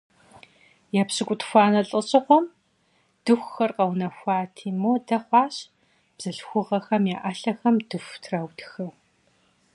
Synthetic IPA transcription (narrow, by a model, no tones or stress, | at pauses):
japɕɨkʷʼʊtxʷɑːnɐɬʼɨɕʼɪχʷɔm | d̥ɨxʷxɐrqʼɐwnɐxʷɑːtʰiːmoːdɐχʷɑːɕ | b̥z̥ɨɬxʷʊʁɐxɐmjaːʔɐɬɐxɐmdɨfʷtʰrɐwtxɨ